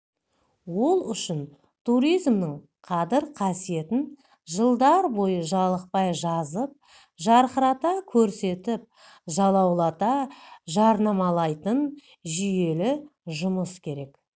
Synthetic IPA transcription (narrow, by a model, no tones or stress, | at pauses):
wo̞lˠʏʃɪn | t̪ʰuɾijzmnɪɴ | qʰɑd̪ɪɾqʰɑsije̞t̪ɪn | ʒəlˠd̪ɑɾbo̞jəʒɑlˠəq̚pɑjʒɑzəp̚ | ʒɑɾqəɾɑt̪ɑkʲʰɵɾse̞t̪ɪp̚ | ʒɑlˠɑwlˠɑt̪ɑʒɑɾnɑmɑlˠɑjt̪ən | ʒije̞lɪʒʊməskʲʰe̞ɾe̞k